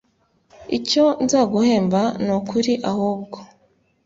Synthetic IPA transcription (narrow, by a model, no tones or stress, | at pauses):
ico̞nzaːɡuhe̞ːmbanukuɾiʔahuːb̚ɡo